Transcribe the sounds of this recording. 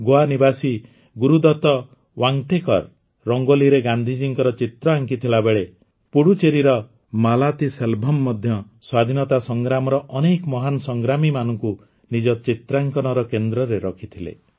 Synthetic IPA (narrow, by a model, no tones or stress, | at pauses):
ɡoanibasi | ɡuɾud̪ɔt̪ɔ | waŋʈekɔ̰ɾː | ɔŋɡoliɾeɡand̪ʱid͡ʒiŋkɔɾɔt͡ʃit̪ɾɔaŋkit̪ʰilabeɭe | puɽut͡ʃeɾiɾɔ | malat̪iselbʱɔmːɔd̪ʱjɔ | swad̪ʱinɔt̪asɔŋɡɾamɔɾɔʔɔnekɔmɔɦanɔsɔŋɡɾamimanɔŋku | nid͡ʒɔt͡ʃit̪ɾaŋkɔnɔɾɔkend̪ɾɔɾeɾɔkʰit̪ʰilḛ